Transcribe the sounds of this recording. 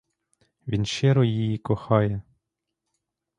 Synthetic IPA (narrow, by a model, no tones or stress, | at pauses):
ʋʲinʃɛɾɔjijikɔxɑjɛ